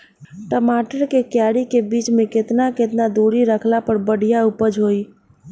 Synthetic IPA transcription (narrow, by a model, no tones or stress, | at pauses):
ʈəmaʈəɾkekjaɽikebit͡ʃmẽket̪naket̪nad̪uɾiɾəkʰlapəɾbəɽ̤ijaupəd͡ʒɦoi